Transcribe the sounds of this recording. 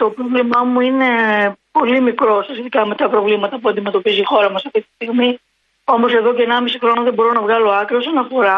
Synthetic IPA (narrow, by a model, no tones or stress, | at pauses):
t̪o̞pɾovlimɐmuine̞po̞limikɾo̞sosçet̪ikɐme̞t̪ɐpɾo̞vlimɐt̪ɐpuɐnd̪ime̞t̪o̞pizixo̞ɾɐmɐsɐft̪it̪i̥st̪iɣmi | o̞mo̞se̞ðo̞ceenɐmisixɾo̞noðebo̞ɾo̞nɐvɣɐlo̞ɐkɾiosɐnɐfo̞ɾɐ